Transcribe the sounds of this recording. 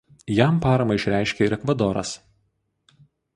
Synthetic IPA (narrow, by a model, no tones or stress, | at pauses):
jæˑmˑpɑːɾɐmɐɪʃʲɾʲæˑɪʃʲkʲɛɾʲɛkʋɐd̪ɔɾɐ̰s